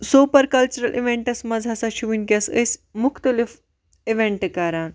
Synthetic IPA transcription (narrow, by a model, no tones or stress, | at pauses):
suːpɐɾkɐlt͡ʃuɾɐlʔḭʋẽɳʈɐsmɐd͡zʱasaʃuʋinkʲɐsəsʲmʊkʰt̪ɐlif | iʋẽɳʈkɐɾaːn